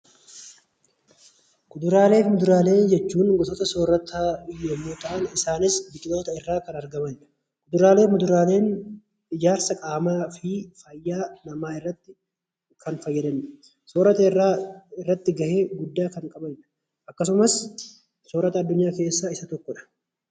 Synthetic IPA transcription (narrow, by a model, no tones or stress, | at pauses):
ɡʊd̪ʊɾaːle̞ːfmʊd̪ʊɾaːle̞ːd͡ʒɛt͡ʃːuːnɡɔt̪ʼɔt̪ɐsoːɾɐt̪ʰaːɪjɛmːoːt̪ɐʔɐnɪsaːnɪsbɪkʼɪt̪oːt̪ɐɪrːaːkɐnɐɾɡɐmɐnɪᶑɐ̥ | ɡʊd̪ʊɾaːleːmʊd̪ʊɾaːle̞ːn | ɪd͡ʒaːɾsɐkʼaːmaːfɪfɐjːaːnɐmaːɪrːɐt̪ːɪ | kɐnfɐjːɐd̪ɐn | soːɾɐt̪ɐɪrːaːɪrːɐt̪ːɪɡɐhe̞ːɡʊd̪ːaːkɐŋkʼɐbɐnɪᶑɐ̥ | ʔɐkːɐs̬ʊmɐs | soːɾɐt̪ɐːd̪ːʊɲːaːke̞ːsːaɪsɐt̪ɔkːɔᶑɐ̥